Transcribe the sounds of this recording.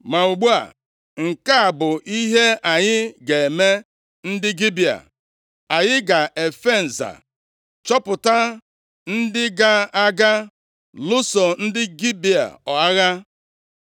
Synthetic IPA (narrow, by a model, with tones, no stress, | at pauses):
ma˨u˨ɡ͡bu˦a̰˨ | ŋ̩˨ka˦a˨bʊ˨ʔi˦ɦe˦ʔa˨ɲɪ˦ɡe˨e˨me˦ | n̩˦dɪ˦ɡi˦bi˨a̰˨ | a˨ɲɪ˦ɡa˨ʔe˨fe˦˨n̩˨za̰˨ | t͡ʃɔ˦pʊ˨ta˦ | n̩˦dɪ˦ɡa˦a˦ɡa˦ | lʊ˦sɔ˨n̩˦dɪ˦ɡi˦bi˨a̰˨ɔ˨a˦ɣa˦